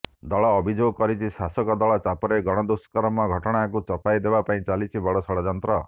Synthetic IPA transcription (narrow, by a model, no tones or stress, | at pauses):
d̪ɔɭɔːbʱid͡ʒoɡɔkɔɾit͡ʃʰisasɔkɔd̪ɔɭɔt͡ʃapɔɾeɡɔɽ̃ɔd̪uskɔɾɔmɔɡʱɔʈɔɽ̃akut͡ʃɔpajd̪ebapaĩt͡ʃalit͡ʃʰibɔɽɔsɔɽɔd͡ʒɔnt̪ɾɔ